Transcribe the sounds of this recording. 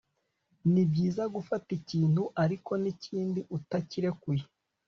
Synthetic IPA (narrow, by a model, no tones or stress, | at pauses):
nibɟiːzaɡufaticiːn̥huʔaɾiko̞niciːndiʔutaciɾe̞kuji